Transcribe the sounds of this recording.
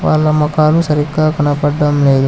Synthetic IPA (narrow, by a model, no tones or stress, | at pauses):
ʋaːɭːɐmɐkaːlusɐɾiɡaːkɐnɐpɐɖːɐmleːd̪u